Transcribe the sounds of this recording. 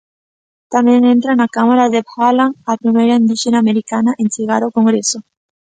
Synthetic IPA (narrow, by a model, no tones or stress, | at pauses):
t̪amjeŋẽnt̪ɾanakamaɾaðephalaŋapɾimejɾaĩnd̪iʃenameɾikanaʔẽnseɣaɾokoŋɡɾeso